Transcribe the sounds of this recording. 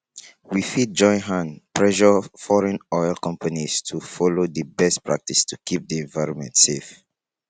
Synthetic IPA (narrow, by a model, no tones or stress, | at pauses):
wifit̚d͡ʒɔ̃ɪ̃nɦãnpʰɹɛʃəfɔɹɛ̃nɔjlˠkɔ̃mpanistʰufɔlodəbɛstpʰɹa̰k̚tistʰukʰip̚diɛ̃ɱvaɪɹɔ̃nmɛ̰̃ntsef